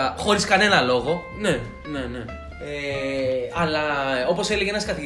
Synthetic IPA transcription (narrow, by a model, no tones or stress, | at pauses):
ɐxo̞ɾiskɐne̞nɐlo̞ɣo̞ | ne̞ | ne̞ne̞ | e | ɐlɐo̞po̞se̞leʝeenɐskɐt̪i